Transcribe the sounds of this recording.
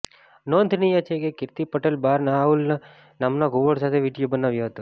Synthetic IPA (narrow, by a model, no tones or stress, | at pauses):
noːnt̪ʰinijat͡ʃʰekekɪɾt̪ipəʈelbaːɾnauln | namnaɡʱoʋəɽsat̪ʰeʋiɖijobənaʋjoɦət̪u